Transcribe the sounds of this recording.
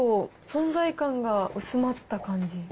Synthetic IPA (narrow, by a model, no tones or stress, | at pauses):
o | sõ̞nzaikãŋɡaɯ̟sɨmat̪ːakãɲ̟d͡ʑi